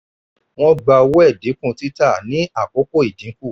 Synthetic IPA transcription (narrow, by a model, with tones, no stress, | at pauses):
w̃ɔ̃˦ɡ͡ba˧wo˦ɛ˦˨dĩ˨˦kũ˦˨ti˦ta˦˨nĩ˨˦a˦˨ko˨˦ko˦˨i˨dĩ˨˦kũ˦˨